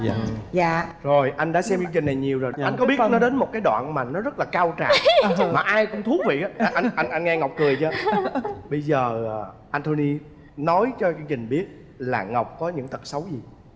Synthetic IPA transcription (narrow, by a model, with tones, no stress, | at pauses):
za̰ː˧˨zo˨˩jʔa˧jŋ̟ɗa̰ː˧˥sɛ˧mkɨ˧t͡ɕï˨˩ŋ̟na˨˩jɲi˨˩əwzo˨˩jʔa˧ŋ̟kɔ˨˦ɓi˦˥ə˥˧tnɔ˨˦ɗe˨˦nmo˨˩t̚kaː˨˦jɗwa̰ː˧˨nmaː˨˩nɔ˨˦zə˦˥t̚laː˨˩kaː˧wt͡ɕa̰ː˧˨maː˨˩ʔaː˧jkʊ̰˧˥ŋ͡mt̪ʰu˨˦vḭ˧˨ʔaː˨˦ʔʔa˧ʔa˧jnʔa˧nŋŋɛ˧ŋa˨˩wk͡p̚kɨ˨˩əjt͡ɕə˧ | ɓə˧jzəː˨˩˨ | ʔaː˧nt̪ʰo˧ni˧ | nɔ˨˦jt͡ɕɔ˧t͡ɕt͡ɕï˨˩ŋ̟ɓi˦˥ət̚ | la̰ː˨˩ŋa˨˩wk͡p̚kɔ˨˦ɲɨ̰˧˥ŋt̪ə˨˩t̚sə˨˦wzi˨˩